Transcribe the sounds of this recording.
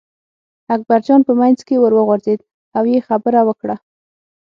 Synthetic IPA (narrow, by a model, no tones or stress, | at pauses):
ak̚baɾd͡ʒɑnpəmajnzkewəɾwəɣʊɾzed̪ | awjexabəɾawəkɽa